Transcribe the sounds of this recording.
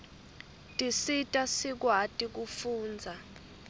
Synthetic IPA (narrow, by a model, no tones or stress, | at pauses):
tʼisitʼasik̬watʼik̬ufuːnd͡zʱa